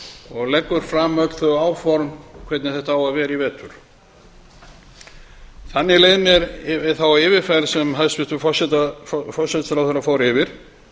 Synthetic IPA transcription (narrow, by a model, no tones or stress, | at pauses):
ɔɣlɛkːʏɾ̥fɾamœt̪l̥θœɣaːwfɔɾmkʰvɛt̪nɪθɛht̪aaːwaðvɛːɾivɛːt̪ʏɾ̥ | θanːɪlejðnɛɾɪθawaɪːvɪfɛɾsɛmɦalsvɪst̪ʏfɔsɛt̪fɔ̥sɛt̪sɾawθɛɾːafoːwɾɪvɪɾ̥